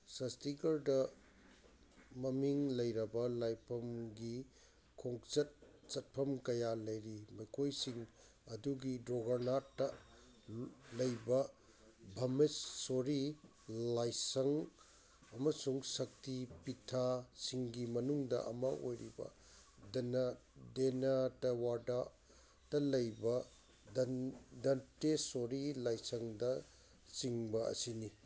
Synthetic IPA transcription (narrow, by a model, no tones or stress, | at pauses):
sɐstiɡɐɾdɐ | mɐmiŋlɐjɾɐbɐlajpʰɐmɡi | kʰoŋt͡ʃɐt̚t͡ʃɐt̚pʰɐmkɐjalɐjɾimɐjkʰojsiŋ | ɐduɡidɾoɡɐɾnatːɐ | lɐjbɐ | bʱɐmesːoɾi | lajsɐŋ | ɐmɐsuŋsɐk̚tipitʰasiŋɡimɐnuŋdɐ̰ʔɐ̰mɐo̰jɾibɐ̰ | dndenatɐwada | tɐlɐjbɐ | dɐntesoɾilajsɐŋdɐ | siŋbɐɐ̰sini